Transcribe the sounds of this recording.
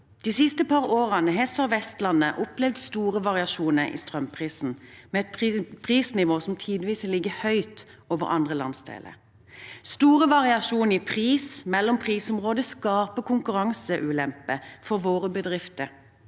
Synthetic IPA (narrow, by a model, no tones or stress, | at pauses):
d̪̥iːsɪst̪əpʰɑʁoːʁɑnəɦɛsɔʋɛst̪lɑnːəʔɔplɛʋd̪st̪uːʁəʋɑʁɪɑʃuːnəʔḭːst̪ʁœmpʰʁiːsn̩mɛːɛt̪ppʰʁiːsnɪʋoːsɔmt̪ʰiːd̪ʋiːsəlɪɡəhœʏt̪ | oːʋə̰ʁɑ̰nd̪ʁəlɑ̰nsd̪ḛːlʔə̰ʁ | st̪uːʁəʋɑʁɪɑʃuːnipʰʁiːsmɛlːɔmpʰʁiːsɔmʁoːd̪əskɑːpəkʊŋkʉʁɑŋsəʔʉːlɛmpəfɔʁʋoːʁəbəd̪ʁɪft̪əɾ